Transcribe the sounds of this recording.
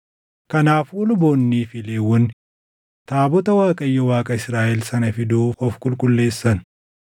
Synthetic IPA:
kɐnaːfʊlʊboːnːiːfɪleːwːɔnɪ | t̪aːbɔt̪ɐwaːkʼɐjːɐwaːkʼɐɪsɾaːʔɛlsɐnɐfɪd̪uːfɔfkʼʊlkʼʊlːe̞ːsːɐn

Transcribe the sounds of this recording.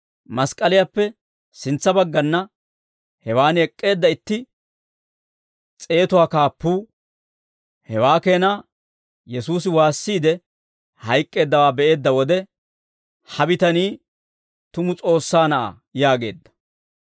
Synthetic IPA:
mɐskʼɐlɪjapːɛ | sɪnt͡sːɐbɐɡːɐnːɐ | hɛwaːnɛkʼːe̞ːd̪ːɐɪt̪ːɪ | t͡sʼe̞ːt̪ʊwaːkaːpːuː | hɛwaːke̞ːnaː | jɛsuːs̬ɪwaːsːiːd̪ɛ | hɐjkʼːe̞ːd̪ːɐwaːbɛʔe̞ːd̪ːɐwɔd̪ɛ | hɐbɪt̪ɐniː | t̪ʊmʊt͡sʼo̞ːsːaːnɐʔa̰ | jaːɡe̞̰ːd̪ːɐ̥

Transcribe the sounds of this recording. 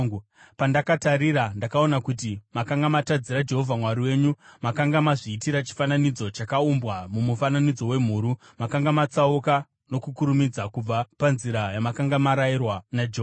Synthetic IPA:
pandakataɾiɾandakao̞nakut̬imakaŋɡamatad͡ziɾad͡ʒe̞ɦo̞vʱamwaɾiwe̞ɲumakaŋɡamaʐiːtiɾat͡ʃi̥fananid͡zo̞t͡ʃakaumbwamumufananid͡zo̞we̞m̤uːɾu | makaŋɡamat͡sauka | no̞kukuɾumid͡zakub͡vapanziɾajamakaŋɡamaɾairwanad͡ʒea

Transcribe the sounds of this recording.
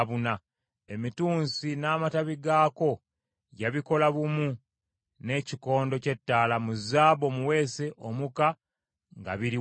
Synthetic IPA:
βuna | e̞mituːnsinaːmataβiɡaːko̞ | jaβiko̞laβumu | ne̞ːciko̞ːndo̞ce̞tːaːlamuzaːβo̞muwe̞ːse̞ʔomuka | ŋɡa̰βiɾi

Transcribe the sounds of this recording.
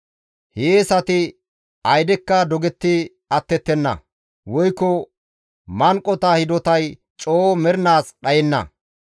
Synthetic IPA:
heːsɐt̪ɪ | ɐjd̪ɛkːɐd̪ɔɡɛt̪ːɪ | ɐt̪ːɛt̪ːɛnːɐ̰ | wɔjkːɔ | mɐŋkʼːɔt̪ɐhɪd̪ɔt̪ɐj | t͡ʃʼoːmɛɾnaːsɗɐjɛnːɐ̰

